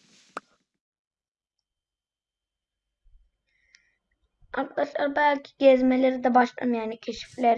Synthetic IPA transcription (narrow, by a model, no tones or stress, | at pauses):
aɾk̪lˠaʃlˠaɾbælʲcʰi̥ɟɛzmelʲeɾid̪ɛbaʃlˠa̰mjanicʰeʃi̥flʲeɾ